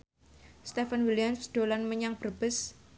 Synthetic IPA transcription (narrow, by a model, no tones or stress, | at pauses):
st̪efanwilijamsd̪̥o̤lanməɲaŋb̥ərb̥əs